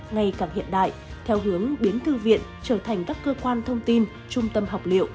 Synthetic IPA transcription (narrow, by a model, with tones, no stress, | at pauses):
ŋa˧˩jkaː˧˩hḭ˧˨ənɗa̰ː˧˨jt̪ʰɛ˧wɦɨ˨˦əŋɓi˨˦ənt̪ʰɨ˧vḭ˧˨ənt͡ɕəː˧˩t̪ʰa˨˩jŋ̟kaː˦˥kːəː˧kwaː˧nt̪ʰə˧wŋ͡mt̪i˧n | t͡ɕʊ˧ŋ͡mt̪ə˧mɦa˨˩wk͡p̚lḭ˧˨əwʔ